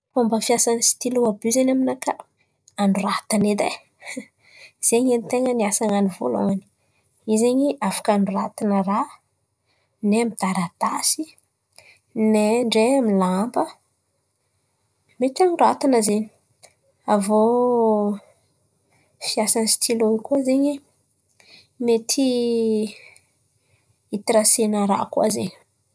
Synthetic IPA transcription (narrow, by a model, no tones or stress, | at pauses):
fombəfiasanisi̥t̪iluabyzenaminaka | anɖ͡ʐurat̪aned̪ḛ | z̥eɲenit̪eŋəniasaŋanivo̰lo̰ŋani̥ | izeɲiʔafḁkanurat̪inəra | neamid̪̥aɾat̪asi | neɳɖ͡ʐeamilambə | met̪anurat̪inəzeɲi̥ | avo | fiasanst̪ʰiloikuazeɲi | met̪ʰi | it̪iɾasenəɾa̰kuazḛɲi̥